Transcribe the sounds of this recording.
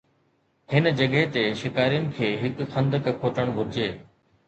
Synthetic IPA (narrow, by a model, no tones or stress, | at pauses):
hɪnd͡ʑɐɠɦet̪eʃɪkaːɾijʊnɪ̆kʰeːɦɪkxɐ̃nd̪əkkʰoːʈəɽ̃bʱʊɾɪd͡ʑeː